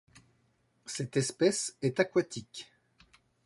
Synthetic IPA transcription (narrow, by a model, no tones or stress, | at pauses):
sɛt̪ɛspɛsɛt̪akwat̪ʰik